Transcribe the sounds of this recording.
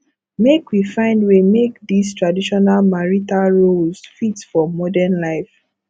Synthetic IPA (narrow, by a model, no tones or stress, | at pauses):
mekwifãɪ̃ndwimekdistɹadiʃɔnalmaɹitalɹolsfitfɔmɔdɛnlaɪf